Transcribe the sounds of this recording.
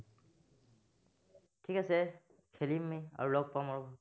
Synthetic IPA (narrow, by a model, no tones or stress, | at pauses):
ʈʰikase | kʰelimːia̰ɹulɔɡ̚pamaɹu